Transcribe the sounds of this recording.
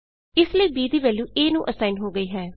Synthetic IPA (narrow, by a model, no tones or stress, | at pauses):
ɪsləiːbiːd̪iːʋɛːljũːʔeːnũːʔəsaːɪnɦoːɡəiːɦɛː